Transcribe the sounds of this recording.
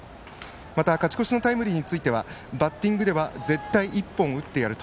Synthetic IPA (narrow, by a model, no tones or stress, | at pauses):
mat̪akat͡ɕi̥ko̞ɕino̞t̪aimɯ̟ɾʲiɲ̟it͡sɨit̪e̞βabat̪ːĩŋɡɯ̟d̪e̞βaze̞t̪ːaiʔipːõɰ̃ɯ̟t̪ːe̞jaɾɯ̟t̪o